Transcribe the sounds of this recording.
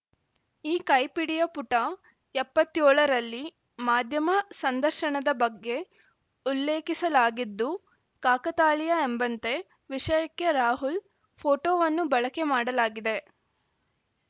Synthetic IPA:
iːkɐjpiɽijɐpuʈɐ | ɛpːɐt̪ːjoːɭɐɾɐlːi | maːd̪ʱjɐmɐsɐnd̪ɐɾʃɐɳɐd̪ɐbɐɡːe̞ | ulːe̞ːkisɐlaːɡid̪ːu | kaːkɐt̪aːɭijɐembɐnt̪e̞ | ʋiʂɐjɐkːeɾaːɦul | pʰoːʈoːʋɐnːubɐɭɐkemaːɽɐlaːɡid̪e̞

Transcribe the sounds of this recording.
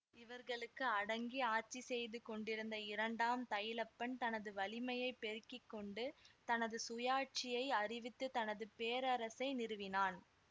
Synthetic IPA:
ɪʋɐɾɣɐɭɯkːɯɐɽɐŋɡiaːɾt͡ʃːisɛjðɯkɔɳɖɪɾɯnd̪ɐɪɾɐɳɖaːmt̪ɐjɪlɐpːɐnt̪ɐnɐðɯʋɐlɪmɐjɐɪpːɛɾɯkːɪkːɔɳɖɯt̪ɐnɐðɯsʊjaːʈ̚t͡ʃɪjɐɪɐrɪʋɪt̪ːɯt̪ɐnɐðɯpeːɾɐɾɐsɐɪnɪɾɯʋɪnaːn

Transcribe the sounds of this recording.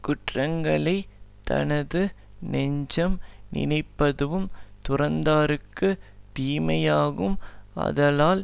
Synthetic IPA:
kʊʈrɐŋɡɐɭɐɪt̪ɐ̰nɐðɯ | nɛɲd͡ʒɐmnɪ̰nɐɪpːɐðɯʋɯmt̪ʊrɐnd̪aːɾɯkːɯt̪iːmɐjaːɣɯmɐ̰ðɐlaːl

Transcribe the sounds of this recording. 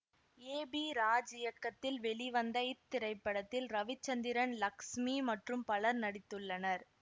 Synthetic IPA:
eːbiːɾaːd͡ʒɪjɐkːɐt̪ːɪlʋɛɭiʋɐnd̪ɐɪt̪ːɪɾɐɪpːɐɽɐt̪ːɪlɾɐʋɪt͡ʃːɐnd̪ɪɾɐnlɐkʂmimɐʈrɯmpɐɭɐɾnɐɽɪt̪ːɯɭːɐnɐɾ

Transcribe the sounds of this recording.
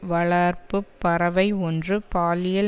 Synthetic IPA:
ʋɐɭɐɾpɯpːɐɾɐʋɐɪɔndrɯpaːlɪjɐl

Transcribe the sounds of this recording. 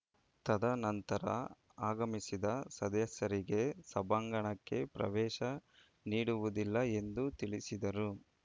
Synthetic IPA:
t̪ɐd̪ɐnɐnt̪ɐɾɐ̰ | aːɡɐmisid̪ɐsɐd̪jɐsɐɾiɡe̞sɐbaːŋɡɐɳɐkːe̞pɾɐ̰ʋɛːʃɐ | niːɽuʋud̪ilːɐe̞nd̪ut̪iɭisid̪ɐɾu

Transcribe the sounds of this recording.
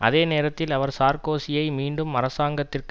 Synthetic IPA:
ɐ̰ðeːneːɾɐt̪ːɪlɐʋɐɾsaːɾkoːsɪjɐɪmiːɳɖɯmɐɾɐsaːŋɡɐt̪ːɪrk

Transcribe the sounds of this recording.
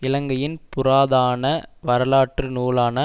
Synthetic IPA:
ɪlɐŋɡɐjɪnpʊɾaːðaːnɐʋɐɾɐlaːʈrɯnuːlaːnɐ

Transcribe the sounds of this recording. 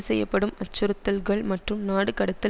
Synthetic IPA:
sɛjːɐpːɐɽɯmɐt͡ʃːʊɾɯt̪ːɐlɡɐɭmɐʈrɯmnaːɽɯkɐɽɐt̪ːɪ

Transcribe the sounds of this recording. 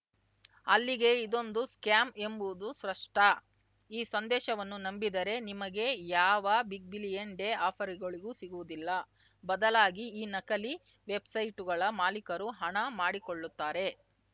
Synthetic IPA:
ɐlːiɡe̞id̪o̞nd̪uskjaːme̞mbuʋud̪usɾɐʂʈɐ | iːsɐnd̪ɛːʃɐʋɐnːunɐmbid̪ɐɾe̞nimɐɡe̞jaːʋɐbik̚bilijeɳɖeaːpʰɐɾiɡɐɭiɡuːsiɡuʋud̪ilːɐ | bɐd̪ɐlaːɡiiːnɐkɐli | ʋebsɐjʈuɡɐɭɐmaːlikɐɾuɦɐɳɐmaːɽikoɭːut̪ːaːɾe̞

